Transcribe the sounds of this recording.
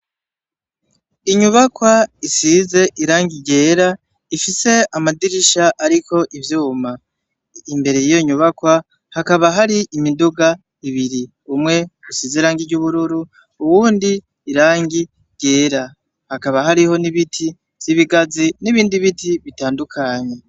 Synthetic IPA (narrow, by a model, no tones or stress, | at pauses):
iɲuβakwaisize̞ʔiɾaːŋɡiɟe̞ːɾa | ifise̞amadiɾiʃaʔaɾiko̞ʔivjuːma | imbe̞ɾe̞jijo̞ɲuβakwa | hakaβaɦaɾiʔimiduɡa | iβiɾi | umŋe̞ɡusizeɾaːŋɡiɟuβuɾuɾu | uwuːndiː | ɾaːŋɡi | ɟ̥e̞ːɾa | hakaβaɦaɾiho̞niβitʰi | v̥z̥iβiɡaziniβiːndiβitʰiβitaːndukʰaɲe̞